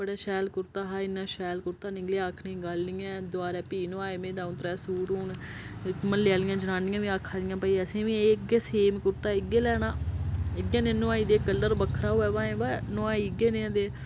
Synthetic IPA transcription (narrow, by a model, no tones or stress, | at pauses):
bəɽaːʃɛːlkʊɾt̪aːɦaːɪnːãːʃɛːlkʊɾt̪aːnɪɡleːaːkʰnẽːɡalːiːɛ̃ːd̪oaːɾɛːpiːnõːaːeːmẽːd̪ãːʊt̪ɾɛːsuːɾɦuːn | məllɪjaːlɪjãːd͡ʒənãːnɪjãːʋĩːaːkʰːaːd̪ɪjãːpəiːəsẽːʋĩːeɡeːseːmkʊɾt̪aːɪɡeːlɛːɽ̃ãːɪɡeːnẽːnõãːiːd̪eːkəlːəɾbəkʰːɾaːɦoːɛːbãːẽːbanoaːiɡeːnẽːd̪eː